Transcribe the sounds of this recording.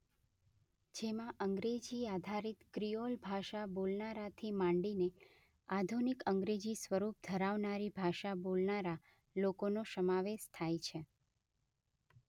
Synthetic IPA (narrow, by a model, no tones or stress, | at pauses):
d͡ʒemãʔəŋɡɾed͡ʒiad̪ʱaɾit̪kɾijolbʱaʃabolnaɾat̪ʰimãɳɖine | ad̪ʱunikəŋɡɾed͡ʒisʋəɾup̚d̪ʱəɾaʋnaɾibʱaʃabolnaɾa | lokonoʃəmaʋeʃt̪ʰajt͡ʃʰe